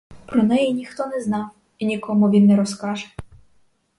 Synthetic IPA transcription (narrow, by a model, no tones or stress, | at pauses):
pɾɔnɛjɛnʲixt̪ɔnɛznɑw | inʲikɔmʊʋʲinːɛɾɔskɑʒɛ̥